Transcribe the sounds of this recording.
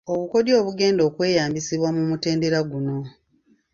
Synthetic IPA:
oβuko̞djo̞ːβuɡe̞ːndo̞ːkwe̞ːjaːmbisiβwamumute̞ːnde̞ɾaɡuno̞

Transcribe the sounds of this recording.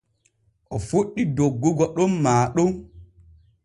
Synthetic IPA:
ʔɔfoɗːidoɡːoɡɔɗommaːɗoŋ

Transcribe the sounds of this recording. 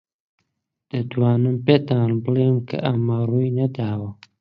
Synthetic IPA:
d̪̥ɐt̪waːnɨmpet̪aːnbɨleːmkʰɐ̰ʔɐmaruːjnɐd̪aːwɐ

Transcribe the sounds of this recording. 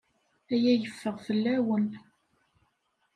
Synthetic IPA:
æjæjəfːəʁfəlːæwən

